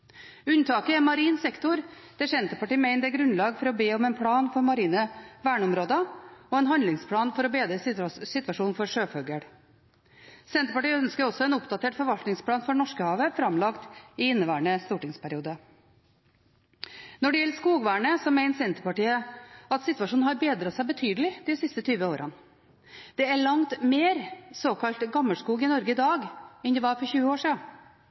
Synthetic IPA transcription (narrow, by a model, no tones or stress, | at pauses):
ʉnt̪ʰɑːkəɛmɑɾiːnsɛkt̪ʊɾ | d̪̥ɛːsɛnt̪əpɑʈiːəmeɪnd̪ɛɡɾʉnlɑːɡfɔɾɔbeːɔmɛnpʰɽɑːnfɔɾmɑɾiːnəʋæːɳəɔmɾoːd̪əɔɛnɦɑnlɪŋspʰlɑːnfɔɾɔbeːd̪ɾəsɪt̪ʋɑʂuːn̩fɔɾʂøːfœɡəɽ | sɛnt̪əpɑʈiːəœnskəɾɔsɔɛnʊpd̪ɑt̪ʰeːʈfɔɾʋɑlt̪nɪŋspʰlɑːnfɔɳɔʂkəhɑːʋəfɾɑmlɑkt̪ɪɪnːəʋæːɳəst̪uːʈɪŋspʰæɾɪuːd̪ə | nɔɖɛjɛlːəʂkuːɡʋæːɳəsɔmæɪnsɛnt̪əɾpɑʈiːəɑt̪sɪt̪ʋɑʂuːnhɑɾbeːd̪ɾɑt̪sæɪbət̪ʰyːd̪əlɪd̪̥ɪsɪst̪ət̪ʰyːʋəoːɾʔɑn | d̪̥ɛæɭɑŋt̪meːɾsoːkʰɑlt̪ɡɑməʂkuːɡɪnɔɾɡəɪd̪ɑːɡɛnd̪ɛʋɑːɾfɔɾçʉːəoːʂiːɑ